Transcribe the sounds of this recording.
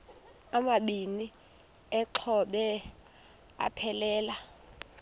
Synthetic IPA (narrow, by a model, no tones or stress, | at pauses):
amaɓini | ɛǁʰɔɓɛ | a̰pʰɛlɛːla